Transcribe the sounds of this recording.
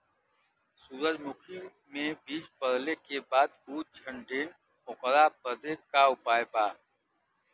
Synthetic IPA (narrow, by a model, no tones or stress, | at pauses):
suːɾəd͡ʒmʊkʰi | mẽbiːd͡ʒpəɾlekebaːd̪̚buːt̪̚t͡ʃʰə̃ɳɖeːn | ʊqəɾapəd̪ekaʊpaːepaː